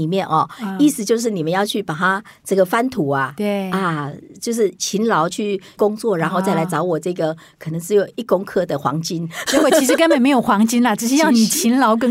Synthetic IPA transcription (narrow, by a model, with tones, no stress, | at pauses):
i˨˩mjɛ˥˨nʔɔ˨˩i˥˩sɹ̩˨˩t͡ɕjo˥˧ʊʂ̬̩˥˩ni˨˩mə˦jɑ˥˧ʊt͡ɕʰy˥˩pa˨˩t̪ʰa˥ | ʈ͡ʂɤ˥˩ɡə˩fa˥nt̪ʰu˨˦a˨˩t̪a˧˩t͡ɕjo˥˧ʊʂ̬ɻ̩˥˩t͡ɕʰi˧˥nlɑ˧˦ʊt͡ɕʰy˥˩kʊ˥ŋt͡swɔ˥˩ɻa˧˥nxo˥˧ʊt͡sa˥ɪla˧˥ɪt͡sɑ˧˥ʊwɔ˨˩t͡sɤ˥˩ɡə˩ | kʰɤ˨˩nɤ˧˦ŋʂɻ̩˧˥jo˨˩ʊi˥˩kʊ˥ŋkʰɤ˥˩d̪ə˨xwɑ̰˧˥ŋt͡ɕi˦˥nt͡ɕɛ˧˥wɔ˨˩t͡ɕi˧˥ʂ̬ɻ̩˧kə˥nmpə˨˩nme˧˥ɪjo˨˩xwɑ˧˥ŋt͡ɕi˥nlɐ˨ʈ͡ʂɻ̩˥˩ɕ̬ɛ˥jɑ˥˩ni˨˩t͡ɕʰi˧˥nlɑ˧˥ʊk̬ə˥